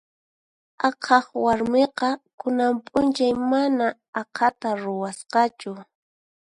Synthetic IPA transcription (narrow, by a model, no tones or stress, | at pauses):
ɑqʰɑχwaɾmeqɑkʊnampʼʊnt͡ʃajmanaː | qʰat̪aɾʊwasqɑt͡ʃʊ